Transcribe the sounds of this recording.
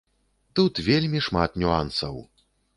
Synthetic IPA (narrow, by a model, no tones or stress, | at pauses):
t̪ut̪vʲelʲmʲiʂmat̪nʲuansɐw